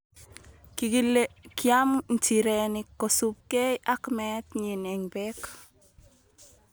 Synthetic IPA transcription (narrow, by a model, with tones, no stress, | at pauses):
klkja˦mn̩˨ti˨ɾɛnɪko˨su˨p̚ke˦ʔa˦kmɛt̪ɲi˨nɛ˨ŋbɛ˦k